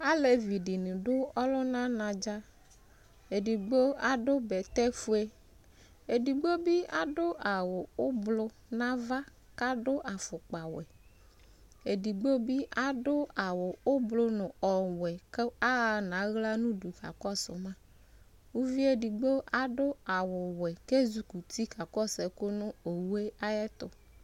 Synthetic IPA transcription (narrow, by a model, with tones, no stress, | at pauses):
a˦le˨vi˨ɖi˨nĩ˨ɖʊ˦ɔ˦lɔ˦nã˦nã˨d͡ʒa˦ | e˨di˨ɡ͡bo˦a˨ɖo˦bɛ˨t̪ɛ˦fu˦e˦ | e˨di˨ɡ͡bo˦bi˦a˨ɖo˦ʔa˨wʊ˨o˦blʊ˦ | nã˦va˦ | ka˦ɖo˦ʔa˨fʊ˨k͡pa˨wɛ˨ | e˨di˨ɡ͡bo˦bi˦ʔa˨ɖʊ˦a˨wʊ˨ʊ˦blʊ˦nʊ̃˨ɔ˨wɛ˨ke˦a˦˨nã˨˦ɣla˦nũ˦du˨ka̰˨kɔ˦sʊ˨mã˦ | wu˦vi˦e˦di˨ɡ͡bo˦ʔa˨ɖʊ˦a˨wʊ˨wɛ˨ke˦zu˨ku˨t̪i˦ka˨kɔ˦sɛ˨ko˦nʊ̃˦o˨wu˦e˦a˦jɛ˦t̪ʊ˨